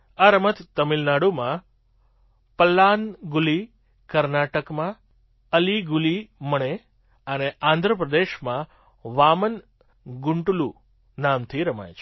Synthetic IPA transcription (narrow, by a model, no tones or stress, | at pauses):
aɾəmət̪t̪əmilnaɽumã | pəlːanɡuli | kəɾnaʈəkmã | əliɡuliməɳ̃e | əneãnd̪ʱɾəpɾəd̪eʃmã | ʋamən | ɡʊɳʈulu | namt̪ʰiɾəma̰jt͡ʃʰ